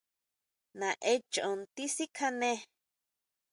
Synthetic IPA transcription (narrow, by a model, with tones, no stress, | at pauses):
nã˨ʔe˧t͡ʃo˨õ˨nt̪i˦si˦kʰa˧nẽ˦˧